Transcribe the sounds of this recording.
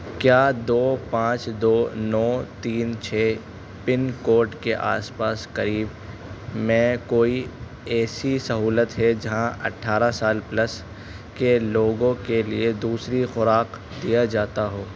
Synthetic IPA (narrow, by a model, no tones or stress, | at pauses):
kjaːd̪oːpãːt͡ʃd̪oːnɔːt̪iːnt͡ʃʰɛː | pɪnkoːɾʈkeʔa̰ːspaːskɐɾiːb | mɛ̃ːkoːi | ɛːsisɐɦuːlət̪ɦɛd͡ʒɐɦãʔɐ̰ʈʰːaːɾasaːlplɐs | keloːɡõkelied̪uːsɾixʊɾaːq | d̪ijad͡ʒaːt̪aɦoː